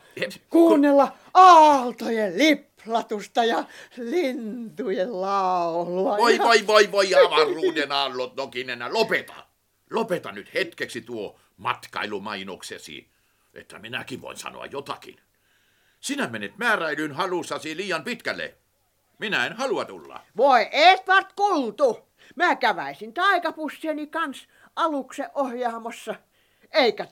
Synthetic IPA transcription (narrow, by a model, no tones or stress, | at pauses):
ekuːnːelːɑ | ɑːlt̪ojeliplɑt̪ust̪ɑjɑlint̪ujellɑˑoluɑʋoiʋoiʋoiʋoiɑʋɑrˑuːdenɑːlːot̪nokinenælopet̪ɑ̰ | lopet̪ɑnyt̪het̪keksit̪uo | mɑt̪kɑ̰ilumɑinoksḛsḭːn | ʔḛt̪ːæ̰minæ̰kiʋʋo̰insɑ̰no̰ɑ̰jjot̪ɑ̰kḭn | sinæmenet̪mæːræelynhɑlusːɑsiliːjɑmpit̪kælːḛ | minæenhɑluɑt̪ṵlːɑ̰ʋoˑeʔeːt̪ʋɑrt̪kult̪u | mæːkæʋæˑisint̪ɑˑikɑpusːienikɑns | ɑlukseʔʔohjɑːmɑsːɑ | eˑikæ